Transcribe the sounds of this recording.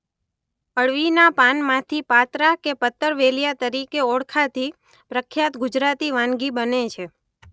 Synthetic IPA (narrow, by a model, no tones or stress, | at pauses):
əɭʋinapanmãt̪ʰipat̪ɾakepət̪ːəɾʋeljat̪əɾikeoɽkʰat̪ʰi | pɾəkʰjat̪ɡʊd͡ʒɾat̪iʋãnɡibənet͡ʃʰe